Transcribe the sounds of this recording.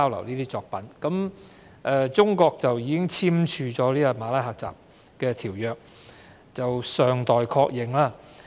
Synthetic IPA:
wlɐ̰˨˩wniː˥t̪iː˥t͡sɔː˧k̚pɐ˨˥nkɐ˨˥m | ʔɛː˧t͡sʊ˥ŋkɔː˧k̚t͡sɐ˨wjiː˨˧kɪ˥ŋt͡sʰiː˥mt͡ʃʰyː˧t͡ʃɔː˨˥liː˥a˧maː˨˧lɐ˨˥jɦaː˨˧k̚t͡sa̰ː˨p̚ | kɛː˧t̪ʰiː˨˩wjœː˨k̚ | t͡sɐ˨wsœː˨˩ŋt̪ɔː˨jkʰɔː˧k̚jɪ˨˩ŋlaː˥

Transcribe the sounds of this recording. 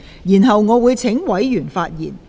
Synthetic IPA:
jiː˨˩nɦɐ˨wŋɔː˨˧wuː˨˧jt͡sʰɪ˨˥ŋwɐ˨˥jjyː˨˩nfaː˧t̚jḭː˨˩n

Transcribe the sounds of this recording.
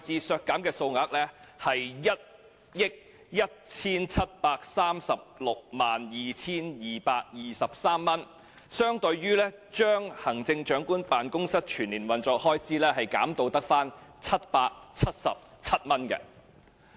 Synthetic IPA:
t͡siː˧sœː˧kːaː˨˥mkɛː˧so˧wŋaː˨˥k̚lɛ˥hɐ˨jjɐ˥t̚ | jɪ˥k̚ | jɐ˥t̚t͡sʰiː˥nt͡sʰɐ˥t̚paː˧k̚saː˥msɐ˨p̚lʊ˨k̚maː˨njiː˨t͡sʰiː˥njiː˨paː˧k̚jiː˨sɐ˨p̚saː˥mːɐ˥n | sœː˥ŋt̪ɵ˧ɥɥyː˥lɛː˥t͡ʃœː˥ŋhɐ˨˩ŋt͡sɪ˧ŋt͡ʃœː˨˥ŋkuː˥npaː˨nkʊ˥ŋsɐ˥t̚t͡ʃʰyː˨˩nliː˨˩nwɐ˨nt͡ʃɔː˧k̚hɔː˥jt͡siː˥lɛː˥ɦɐ˨jkaː˨˥mt̪o˨˧wt̪ɐ˥k̚faː˥nt͡sʰɐ˥t̚paː˧k̚t͡sʰɐ˥t̚sɐ̰˨p̚ | t͡sʰɐ˥t̚mɐ˥nkɛ̰˧

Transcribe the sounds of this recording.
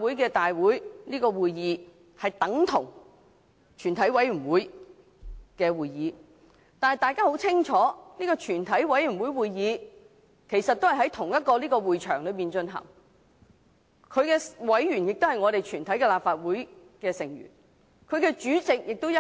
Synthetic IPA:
wuː˨˥jkɛː˧t̪aː˨jwuː˨˥jliː˥kɔː˧wuː˨jiː˨˧ | hɐ˨jt̪ɐ˨˥ŋt̪ʰʊ˨˩ŋ | t͡ʃʰyː˨˩nt̪ʰɐ˨˥jwɐ˨˥jɥyː˨˩nwuː˨˥j | kɛː˧wuː˨˧jiː˨˧ | t̪aː˨nhɐ˨jt̪aː˨˧jkaː˥ho˨˥wt͡sʰɪ˥ŋt͡ʃʰɔː˨˥niː˥kɔː˧t͡ʃʰyː˨˩nt̪ʰɐ˨˥jwɐ˨˥jɥy˨˩nwuː˨˥jwuː˨˧jjiː˨˧ | kʰe˨˩jsɐ˨t̚t̪o˥hɐ˨˩ɦɐ˨˥jt̪ʰʊ˨˩ŋjɐ˥t̚kɔː˧liː˥kɔː˧wuː˨jt͡ʃʰœː˨˩ŋlɵ˨˧ɥpiː˨nt͡ʃɵ˧nɦɐ̰˨˩ŋ | kʰɵ˨˧ɥkɛː˧wɐ˨˥jɥyː˨˩njɪ˨k̚t̪o˥hɐ˨jŋɔ˨˧ɾe˨jt͡ʃʰyː˨˩nt̪ʰɐ˨˥jkɛ˧laː˨p̚faː˧t̚wuː˨˥j | kɛː˧sɪ˨˩ŋjy̰˨˩n | kʰɵ˨˧ɥkɛː˧t͡ʃyː˨˥t͡sɪ˨k̚jɪ˨k̚t̪wjɐ˥

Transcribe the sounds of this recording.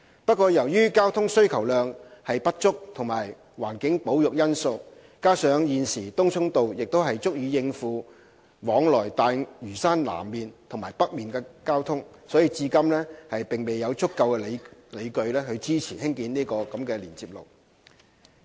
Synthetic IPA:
pɐ˥t̚kʷɔː˧jɐ˨˩wjyː˥kaː˥wt̪ʰʊ˥ŋsɵ˥ɥkʰɐ˨˩wlœː˨ŋhɐ˨jpɐ˥t̚t͡ʃʊ˥k̚t̪ʰʊ˨˩ŋmaː˨˩j | waː˨˩nkɪ˨˥ŋpo˨˥wjʊ˨k̚jɐ˥nso˧w | kaː˥sœː˨˧˥ŋjiː˨nsiː˨˩t̪ʊ˥ŋt͡ʃʰʊ˥ŋt̪o˨wjɪ˨k̚t̪o˥wɦɐ˨jt͡sʊ˥k̚jyː˨˧jɪ˧ŋfuː˨˧ | wɔː˨˥ŋlɔː˨˩jt̪aː˨jɥyː˨˩saː˥nla̰ː˨˩mːiː˨nt̪ʰʊ˨˩ŋmaː˨˩jpɐ˥k̚miː˨nkɛː˧kaː˥wt̪ʰʊ˥ŋsɔː˨˥jiː˨˧t͡siː˧kɐ˥mlɛː˥hɐ˨jpɪ˨˩ŋme˨jɐ˨˧wt͡sʰʊ˥kːɐ˧wkɛ˧lle˨˧jkɵ˧ɥlɛː˥hɵ˧ɥt͡siː˥t͡sʰiː˨˩hɪ˥ŋkiː˨˧niː˥kɔː˧kɐ˨˦mkɛː˧liː˨˩nt͡siː˧p̚lo̰˨˩w

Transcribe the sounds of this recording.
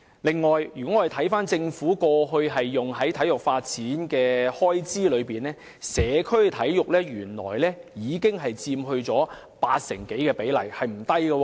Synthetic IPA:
lɪ˨ŋːɔː˨˩jjyː˨˩kɔ˨˦˥ŋːɔː˨˧de˨˩t̪ʰɐ˨˥jfaː˥nt͡sɪ˧ŋfuː˨˥kɔː˧ɦɵ˧ɥɦɐ˨jːʊ˨ŋɦɐ˨˥jt̪ʰɐ˨˥jʊ˨k̚faː˧t̚t͡siː˨˥nkɛː˧hɔː˥jt͡siː˥lɵ˨˧ɥpiː˨˩nlɛː˥ | sɛː˨˧kʰɵ˥ɥt̪ʰɐ˨˥jjʊ˨k̚lɛː˥ɥyː˨˩nlɔ̰ː˨˩jlɛː˥jiː˨˧kɪ˥ŋɦɐ˨jt͡siː˧mɦɵ˧ɥt͡sɔː˨˥ | pa̰ː˧t̚sɛ˨˩ŋke˨˥jkɛː˧pe˨˥jlɐ˨˩jhɐ˨jm̩˨˩t̪ɐ˥jɡɐ˧wɔː˧

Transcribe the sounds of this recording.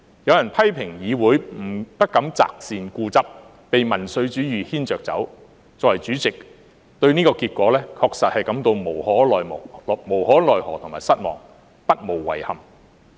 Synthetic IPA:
jɐ˨˧wjɐ˨˩npʰɐ˥jpʰɪ˨˩ŋjiː˨˧wuː˨˥jm̩˨˩pɐ˥t̚kɐ˨˥mt͡sa̰ː˨k̚siː˨nkuː˧t͡sɐ˥p̚ː | e˨jmɐ˨˩nsɵ˨˧ɥt͡ʃyː˨˥jyː˨hiː˥nt͡ʃœː˨k̚t͡sɐ̰˨˥w | t͡sɔː˧˥wɐ˨˩jt͡ʃyː˨˥t͡sɪ˨k̚ | t̪ɵ˧ɥniː˥kɔː˧kiː˧t̚kʷɔː˨˥lɛː˥kʰɔː˧k̚sɐ˨t̚hɐ˨jkɐ˨˥mt̪o˧wmo˨˩whɔː˨˥lɔː˨jmɔ˨˩mo˨˩whɔː˨˥lɔː˨jhɔː˨˩t̪ʰʊ˨˩maː˨jsɐ˥t̚mɔ̰ː˨˩ŋ | pɐ˥t̚mo˨˩wːɐ̰˨˩jhɐ˨m

